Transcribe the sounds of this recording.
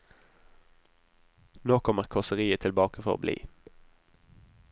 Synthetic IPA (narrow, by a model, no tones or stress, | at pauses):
noːkʰɔməʁkʰɔʁsəʁiːət̪ʰɪlbɑːkəfʁɔ̰ʁo̰ːblḭː